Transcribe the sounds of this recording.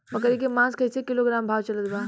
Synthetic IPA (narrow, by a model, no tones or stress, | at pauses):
bəkəɾik̬emãskʰəjt͡sekiloɡɾambʱaʋt͡ʃɐlət̪ba